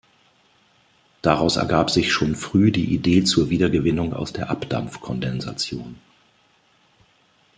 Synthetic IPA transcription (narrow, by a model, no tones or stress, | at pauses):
d̥aʁaʊsɛ̰ɐɡaːpz̥ɪçʃoːnfʁ̥yːdiːʔideːt͡suːɐviːdɐɡəvɪnʊŋa̰ʊsd̥eːɐʔapd̥a̰mfkʰɔndɛnza̰t͡sjoːn